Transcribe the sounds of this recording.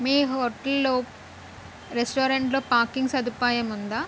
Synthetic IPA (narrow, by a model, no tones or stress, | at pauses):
miːɦoʈːɐlːoː | ɾesʈoːɾɐɳʈloːpaːɾkiŋɡsɐd̪ʱipaːjɐmund̪aː